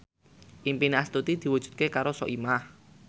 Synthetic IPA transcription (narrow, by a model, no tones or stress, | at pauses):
ʔimpinast̪ut̪id̪̥i̤wud̥ʒ̥ṳ̥t̪̚kekaɾosɔ̰ʔimah